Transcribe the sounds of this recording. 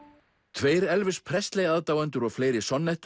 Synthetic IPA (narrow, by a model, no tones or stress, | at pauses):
t̪ʰveːjɾɛlvɪspʰɾɛst̪lejaːðt̪aːwant̪ʏɾɔɣfleːjɾɪsɔnːɛht̪